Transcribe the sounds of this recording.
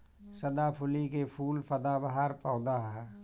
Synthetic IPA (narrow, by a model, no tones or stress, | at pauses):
sɐd̪apʰʊlikepʰuːlpʰɐd̪abaɦaɾpɔːd̪aɦɛ